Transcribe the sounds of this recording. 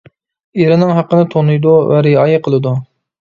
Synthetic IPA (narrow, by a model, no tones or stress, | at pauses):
eɾɪnɪŋɦɑqːənɪt̪ʰonɨjd̪uvæɾɪɑjɨqʰəlˠɨd̪u